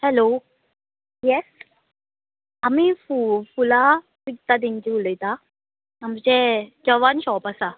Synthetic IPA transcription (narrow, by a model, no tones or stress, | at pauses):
hɛlo | jɛs | amifufula | pik̚t̪ad̪int͡ɕiuləjt̪a | amsed͡ʑəʋanɕɔpasa